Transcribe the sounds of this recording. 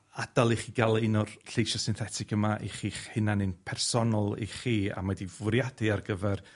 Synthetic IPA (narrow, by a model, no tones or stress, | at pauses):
ad̥alˠiχiːɡalˠɪnɔrɬejʃɔsɪnθɛtʰɪkəmaʔiχiːχhɪnanɨnpʰɛrsɔnɔlˠḭχiːa̰madivʊɾjadɪarɡəvɛr